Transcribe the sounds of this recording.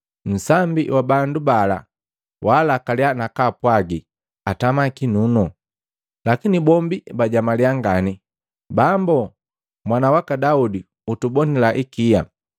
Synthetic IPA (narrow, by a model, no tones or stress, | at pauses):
n̩sambḭwʔabandubala̰ | wʔalakalianakapwaɡi | atamakinunɔ | lakinibɔmbibaɟamaliaŋɡani | bambɔ | mwanawakadaudi | utubɔnilaʔikija